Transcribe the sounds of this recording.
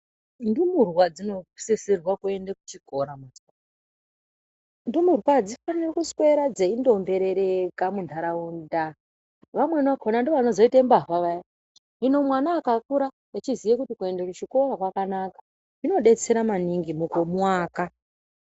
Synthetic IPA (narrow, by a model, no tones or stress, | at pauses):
ndumurwad͡zino̞seserwakue̞ndekut͡ʃiko̞ɾamaswa | ndumurwad͡zifanirekuskwe̞ɾad͡zeindo̞mbe̞ɾeɾekamuntʰaɾaunda | ʋamwe̞nakʰonandoʋanozoitambavaʋaja | ino̞mwanaːkakuɾa | at͡ʃizijekutikue̞ndekut͡ʃiko̞ɾakwakanakḁ | ino̞ɗe̞t͡se̞ɾamaniŋɡimukomwaːka